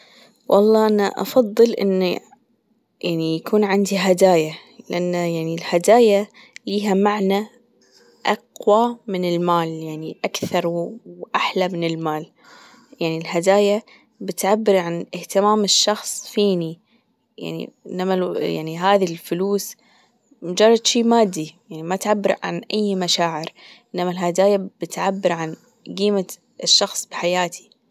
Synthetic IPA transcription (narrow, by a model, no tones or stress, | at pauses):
wʔɑ̰lˤːɑːʔanaʔɑ̰fɑðˤːɨlʔɪ̰nːa | jaʕnijakʰuːnʕɪnd̪iɦad̪aːjalɪʔanːajaʕnilhad̪aːja | liːɦamaʕna | ʔɑqwamɪnɪlmaːljaʕniʔakθɑɾˤwʔaħlamɪnɪlmaːl | jaʕnilɦad̪aːja | bɪt̪ʕabːɪɾʕanɪht̪ɪmaːmɪʃːɑxsˤfiːni | ja̰ʕnḭʔɪnːamaja̰ʕniɦaːðilfʊluːs | mʊd͡ʒɑrˤːɑd̪ʃiːmaːd̪ːijaʕnimat̪ʕabːɪɾʕa̰nʔajːmaʃaːʕɪɾʔɪnːamalɦad̪aːjabɪt̪ʕabːɪɾʕan | ɡiːma | ʃːɑxsˤb̥ɪħajaːt̪ʰi̥